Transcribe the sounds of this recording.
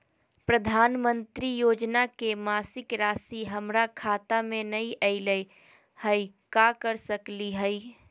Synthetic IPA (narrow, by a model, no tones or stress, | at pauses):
pɾəd̪ʱaːnmənt̪ɾijoːd͡ʒnakemaːsɪkɾaːsiɦəmɾakʰaːt̪amẽnəĩʔəɪləj | hə | kakəɾsəkliɦəɪ